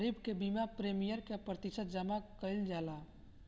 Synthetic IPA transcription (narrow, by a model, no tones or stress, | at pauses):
ɾibkebimapɾeːmijəɾkepɾət̪ɪʃət̪̚d͡ʒəmakəɪld͡ʒaːla